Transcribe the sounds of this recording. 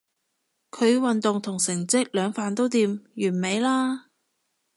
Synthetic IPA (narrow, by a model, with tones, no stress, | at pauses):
kʰɵ˨˧ɥwɐ˨nt̪ʊ˨ŋt̪ʰʊ˨˩ŋsɪ˨˩ŋt͡sɪ˥k̚lœː˨˧ŋfaː˨nt̪o˥wt̪iː˧mjyː˨˩nme˨˧jlaː˥